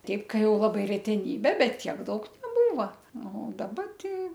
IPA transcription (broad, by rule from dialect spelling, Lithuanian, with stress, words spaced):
ˈtʲɛɪp ˈkɐ ˈjɛʊ ˈlˠɑːbɐɪ rʲɛtʲɛˈnʲiːbʲeː ˈbʲɛt ˈtʲiɛk ˈdɐʊk nʲɛˈbuːʋɐ ˈnʊ dɐˈbɐ ˈtʲɛɪ